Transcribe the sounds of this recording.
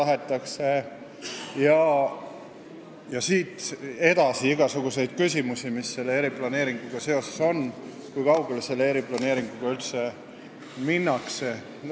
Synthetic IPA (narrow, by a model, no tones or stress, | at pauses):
ɑɦet̪ːˑɑkse̞ | jɑ | jɑsiːt̪e̞d̪̥ɑsiiɡ̥ɑsuɡ̥use̞jd̪̥̚kysʲimusimisːe̞lːeeːɾiplɑne̞ːɾiŋɡ̥uɡ̥ɑse̞o̞seso̞n | kujkɑwɡ̥e̞lse̞lːeeɾiplɑneːɾiŋɡ̥uɡ̥ɑylt̪se̞ | minːɑkse̞